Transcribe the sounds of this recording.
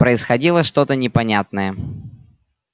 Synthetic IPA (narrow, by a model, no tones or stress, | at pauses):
pɾəɪsxɐdʲilˠəʂt̪o̞t̪ənʲɪpɐnʲat̪nəjə